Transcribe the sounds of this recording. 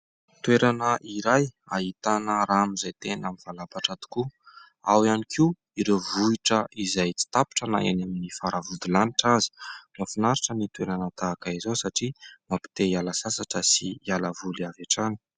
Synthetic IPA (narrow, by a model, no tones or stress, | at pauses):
t̪weɾanəʔiɾaja̰ɦit̪anəɾaːmizajt̪enamivalapaʈ͡ʂad̪i̥ku | a̰wianikʰiu | iɾewvuiʈ͡ʂəizajt͡si̥t̪api̥ʈ͡ʂəna̰ʔa̰naminifaɾavud̪ilaniʈ͡ʂazi̥mafunaɾiʈ͡ʂənit̪weɾanət̪aːkaizosaʈ͡ʂimapi̥t̪eialasasaʈ͡ʂəsiialəvuliavaʈ͡ʂani̥